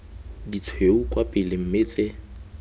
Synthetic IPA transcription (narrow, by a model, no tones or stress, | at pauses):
dit͡sʰweukʼwapʼɪlɪm̩meːt͡sʼɪ